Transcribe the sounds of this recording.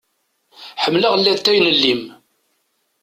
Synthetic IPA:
ħəmːləʁəlːæt̪ːæjnəlːim

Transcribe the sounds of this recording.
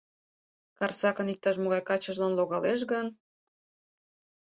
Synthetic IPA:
kɑrsɑkənik̚t̪ɑʃ̬moɣɑjkɑt͡ɕəʒlɑnloɣɑleʃ̬ɣən

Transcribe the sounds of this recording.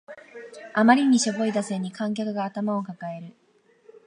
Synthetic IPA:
amaɾʲiɲ̟iɕobo̞id̪aseɲ̟ːikãŋk̬ʲakɯ̟ɡaːt̪amao̞kakae̞ɾɯ̟

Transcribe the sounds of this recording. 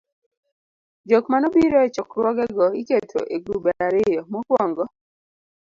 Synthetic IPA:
d͡ʒokmanɔbiɾɔɛt͡ʃɔkɾwɔɡɛɡɔiketʰo̰ʔeɡubaaɾɪjɔmɔkwɔŋɡɔ

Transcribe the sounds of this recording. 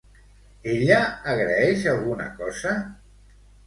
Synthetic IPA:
eʎaːɣɾaɛʃalˠɣuna̰kɔzə

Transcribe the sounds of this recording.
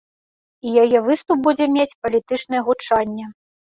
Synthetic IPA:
ijajɛvɨst̪up̚bud͡zʲɛmʲet͡sʲpɐlʲit̪ɨt͡ʂnɨjɛɣut͡ʂanʲːɛ

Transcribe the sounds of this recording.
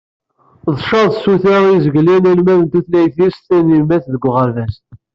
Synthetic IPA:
ðˤʃɑðˤsuθæizəɡlænælmæðənt̪uθlæjθist̪ːænimæθðəɡʷːʁəɾvæst̪

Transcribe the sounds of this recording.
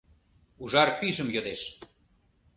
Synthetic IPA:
uʒɑrpiʒəmjod̪eʃ

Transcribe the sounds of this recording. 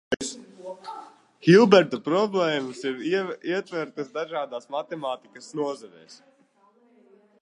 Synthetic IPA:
hilˠbɛɾt̪ɐpɾɔblɛːmɐsiɾiɛt̪vɛɾt̪ɐsd̪aʒaːd̪aːsmat̪ɛmaːt̪ikɐsnuɔzɛvɛ̰ːs

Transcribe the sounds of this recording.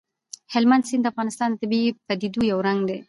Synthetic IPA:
hɪlmand̪sind̪əafɣɑnɪst̪ɑnd̪ət̪ɪbipad̪id̪ujawɾaŋɡd̪e

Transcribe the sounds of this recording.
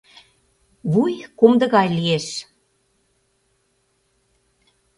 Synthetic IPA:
βujkomd̪ɤ̆ɣɑjlieʃ

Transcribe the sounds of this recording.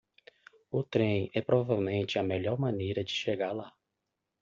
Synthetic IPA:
ʊt̪ɾẽj̃ɛpɾɔvavewmẽnt͡ʃɪɐmeʎɔɾmɐ̃nejɾɐd͡ʒɪʃeɡaɾla

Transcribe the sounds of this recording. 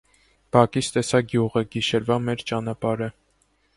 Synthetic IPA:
b̥ɑkist̪ɛsɑɡjuʁəɡiʃɛɾvɑmɛɾt͡ʃɑnɑpɑɾə

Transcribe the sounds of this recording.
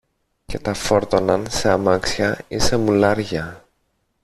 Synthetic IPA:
ce̞t̪ɐfo̞ɾt̪o̞nɐnse̞ɐmɐksçɐise̞mulɐɾʝɐ

